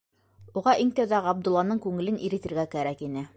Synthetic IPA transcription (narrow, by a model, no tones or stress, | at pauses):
uʁɑʔiŋt̪æwðæʁɑb̚d̪ŭlˠːɑnɤɴkʉŋɘ̆lɘniɾɘ̆t̪ɘ̆ɾɡækæɾækinɘ